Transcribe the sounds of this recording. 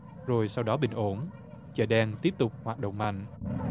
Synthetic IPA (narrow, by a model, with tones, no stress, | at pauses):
zo˨˩jsa˧wɗɔ˨˦ɓï˨˩ŋ̟ʔo˧˩˦n | t͡ɕə˧˨˩ɗɛ˧ŋt̪i˦˥əp̚t̪ʊ˨˩k͡p̚haː˨˩t̚ɗə̰˧˨ŋ͡mma̰˧˩˨jŋ